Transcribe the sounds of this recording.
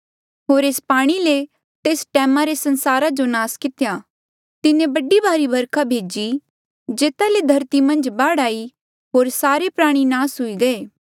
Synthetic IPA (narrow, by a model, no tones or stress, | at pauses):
ɦoːɾeːspaːɽ̃ile | t̪eːsʈɛːmaɾesɐ̃nsaːɾad͡ʒonaːskɪt̪ja | t̪ɪnẽbɐɖibaːɾibʱɐɾkʰabʱeːd͡ʒi | d͡ʒeːt̪aled̪ʱɐɾt̪imɐ̃nd͡ʒbaːɽaːi | ɦoːɾsaːɾepɾaːɽ̃inaːsɦʊiɡɐeː